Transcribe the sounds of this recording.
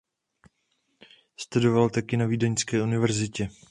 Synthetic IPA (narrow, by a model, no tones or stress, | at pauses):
st̪udovalt̪akɪnaviːdɛɲskɛːunɪvɛɾzɪcɛ